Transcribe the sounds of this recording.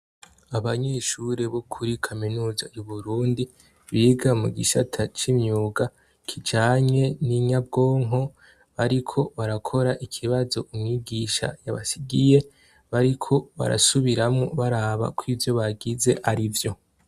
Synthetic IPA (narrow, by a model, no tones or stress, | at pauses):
aβaɲe̞ʃuɾeβokʰuɾikʰaminuːzauβuɾuːndi | βiːɡamuɡiʃatʰat͡ʃimɲuːɡa | kʰid͡ʒaːɲe̞niɲabɡo̞ːŋɦo̞ | βaɾikʰo̞βaɾakʰo̞ɾaʔikʰiβazo̞ʔumŋiːɡiːʃa̰ja̰βa̰siɡije̞ | βaɾikʰo̞βa̰ɾa̰suβiɾamŋoβaɾaːβa̰kwivjo̞βaɡize̞ʔaɾivjo̞